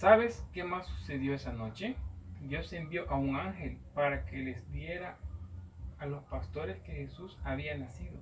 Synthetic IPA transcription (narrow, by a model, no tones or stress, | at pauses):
saβe̞skemasːuse̞ðjo̞esano̞t͡ʃed̪jo̞sembjo̞ʔauŋaŋxe̞lpaɾake̞lezd̪je̞ɾaː | lo̞spast̪o̞ɾeske̞xesusaβianasiðo̞